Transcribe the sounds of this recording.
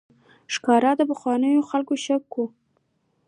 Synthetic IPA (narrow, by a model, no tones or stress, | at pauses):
ʃkɑɾad̪əpaxwɑnəjoxalkoʃakːu